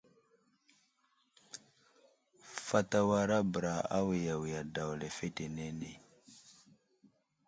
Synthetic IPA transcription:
fa˦ta˦wa˦ɾa˦bə˨ɾa˨a̰˦wi˨ja˨wi˨ja˨da˨wle˨fe˦te˨ne˦ne˨

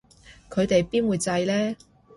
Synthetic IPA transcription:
kʰɵ˨˧ɥt̪e˨jpiː˥nwuː˨˧jt͡sɐ˧jlɛː˥

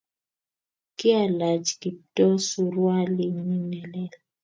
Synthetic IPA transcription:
kɪ˦a˨la˨d͡ʒki˨tɔ˦su˦ɾwa˦li˦˨mi˦nɛ˨lɛ˦l

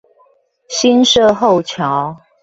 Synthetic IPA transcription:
ɕi˦nʂɤ˥˧xo˥˨ʊt͡ɕʰjɑ˨˦ʊ

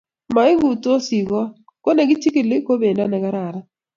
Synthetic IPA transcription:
ma˨ɪ˦ɡu˨to˦si˨ɡɔ˦ | ko˦ne˨ɡɪ˦t͡ʃi˦ki˦˨lɪ˦ko˦be˨na˦nɛ˨ɡa˦ɾa˨ɾa˦

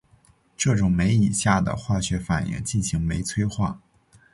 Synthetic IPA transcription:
ʈ͡ʂɤ˥˩ʈ͡ʂʊ˨˩ŋme˧˥ɪi˨˩ɕja˥˩d̪ə̰˩xwa˥˩ɕɥɛ˧˥fa˨˩njɛ̰˧˥ŋt͡ɕi˥˩nɕi˧˥ŋme˧˥ɪt͡sʰwe˥ɪxwa˥˩

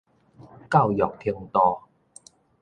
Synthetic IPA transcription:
kaː˥˩wjɔː˨˩k̚t̪ʰi˧əŋt̪ɔː˧

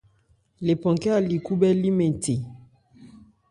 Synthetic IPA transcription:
le˨pɔ̃˨ŋkɛ˦a˨li˨ku˦bɛ˦li˦mɛ˨tʰe˨

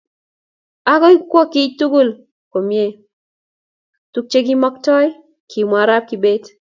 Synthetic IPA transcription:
a˦kɔ˦i˦kwɔ˦kɪ˦tu˦ɡu˦l | ko˨mje˦ | tu˦k̚t͡ʃe˦ɡi˦mɔ˦k̚tɔ˦j | kʰi˨ma˨ɾa˦p̚ki˨be˦d

